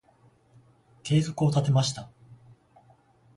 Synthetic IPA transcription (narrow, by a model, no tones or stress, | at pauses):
ke̞ːzo̞kɯot̪at̪e̞maɕi̥t̪a